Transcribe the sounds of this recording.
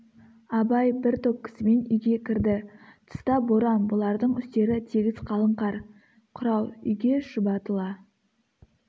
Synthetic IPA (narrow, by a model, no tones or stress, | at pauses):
ɑbɑjbɪɾt̪op̚kʲʰɪ̥sɪme̞nʏjɡʲe̞kʲɪɾd̪ɪt̪ʰʊ̥st̪ɑboɾɑnbʊlˠɑɾd̪əɴʏst̪e̞ɾɪt̪ʰeɡʲɪzqʰɑlˠəɴqɑɾ | qʰʊɾɑwˠʏ̰jɡʲe̞ʃəbɑt̪əlˠɑ